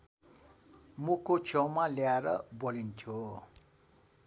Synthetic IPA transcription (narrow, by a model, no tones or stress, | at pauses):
mukot͡sʰʌwmaljaeɾʌbolint̪ʰjo